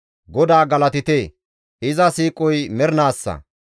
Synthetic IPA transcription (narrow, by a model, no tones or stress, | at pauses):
ɡɔd̪aːɡɐlɐt̪ɪt̪eː | ʔɪzɐsiːkʼɔjmɛɾnaːsːɐ̰